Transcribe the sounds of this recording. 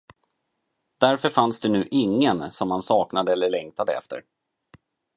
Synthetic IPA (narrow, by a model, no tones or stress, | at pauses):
d̪̥æɾfœɾfansd̪ɛnʉ̟ːʔɪŋːənsɔmhansɑːknad̪əɛlːəɭɛŋk̚t̪ad̪əɛ̰ft̪ʰə̰ɾ